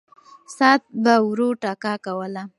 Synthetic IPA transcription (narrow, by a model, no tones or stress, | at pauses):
sɑt̪̚bawɾoʈɑkɑkawəla